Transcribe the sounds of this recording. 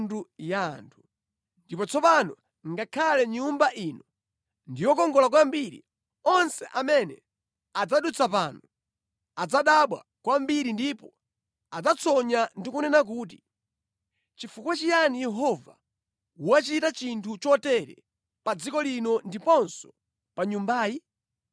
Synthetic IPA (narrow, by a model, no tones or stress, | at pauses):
ndujantʰu | ndipɔt͡sʰɔpanɔ | ŋɡakʰalɛɲumbaʔinɔ | ndijɔkɔŋɡɔlak̬wambiɾḭ | ɔnsɛʔamɛnɛ̰ | ad͡zaɗut͡sʰapaːnɔ | ad͡zaɗaɓwa̰ | kwambiɾindipɔ | ad͡zat͡sʰɔɲandikunɛnak̬uːt̬i | t͡ʃifukwat͡ʃijanijɛɦɔva̰ | uwat͡ʃitat͡ʃintʰut͡ʃɔtɛɾɛ̰ | pad͡zikɔlinɔndipɔnsɔ̥ | paɲumbaːji